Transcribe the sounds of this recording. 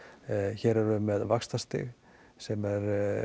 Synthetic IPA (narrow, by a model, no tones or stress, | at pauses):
çɛɾɛɾʏmɛðvakst̪ast̪ɪ̰ɣ | sɛmɛɾ